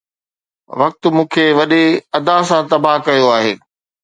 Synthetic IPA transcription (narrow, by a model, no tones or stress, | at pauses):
ʋɐk̚t̪ʊ̆mũːkʰeʋɐɗeɐd̪asãt̪ɐbaɦkɐjoaːɦeː